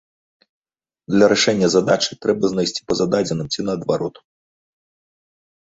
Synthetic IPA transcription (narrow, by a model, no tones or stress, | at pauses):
d̪lʲɐɾaʂɛnʲːɐzad̪at͡ʂɨt̪ɾɛbɐznajsʲt͡sʲi̥pɐzad̪ad͡zʲɛnɨmt͡sʲinɐːd̪vaɾɔt̪u